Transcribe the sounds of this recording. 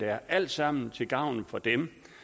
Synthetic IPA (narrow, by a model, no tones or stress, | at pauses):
ææɐʔæl̰d̥sɑ̈m̰n̩t͡sʰe̝lɡ̥ɑ̈ʊ̰nfɒ̽d̥em